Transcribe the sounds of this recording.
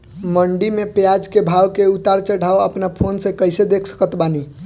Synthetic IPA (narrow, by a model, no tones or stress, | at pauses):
məɳɖimepjad͡ʒkebʱawkeut̪aɾt͡ʃəɖʱaoəpnapʰonsə̃kəjsed̪ekʰsə̥kət̪bani